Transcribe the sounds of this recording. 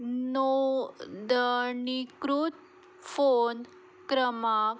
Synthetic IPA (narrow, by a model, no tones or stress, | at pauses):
no | d̪ənikɾut̪ | fon | kɾəma